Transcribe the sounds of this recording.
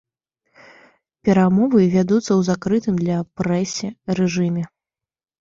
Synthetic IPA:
pʲɛɾamɔvɨvʲad̪ut̪sːɐwzakɾɨt̪ɨmd̪lʲɐpɾɛsʲɛɾɛʐɨmʲɛ

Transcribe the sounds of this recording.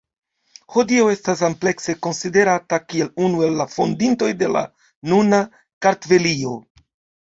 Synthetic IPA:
ho̞dio̞e̞stas̬ample̞kse̞ko̞nside̞ɾatakie̞lunue̞lːafo̞ndinto̞jde̞la̰ | nuna | kaɾtve̞lio̞

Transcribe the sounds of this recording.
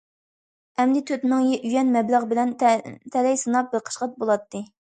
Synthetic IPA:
ɛmd̪ɪt̪ʰøt̪nɨŋjɛʔyjɛnmɛblæʁbɪlɛnt̪ʰɛlɛjsɨnɑp̚bɪɾqʰə̥ʃqɑt̪̚bolˠɑt̪ːɨ

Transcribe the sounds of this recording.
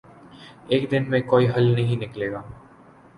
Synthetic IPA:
eːkd̪ɪnmẽkoːiɦɐlnɐɦĩnɪkleːɡaː

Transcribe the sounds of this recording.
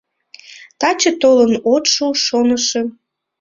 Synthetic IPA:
t̪ɑt͡ɕət̪olənot̪ʃoʃonəʃe

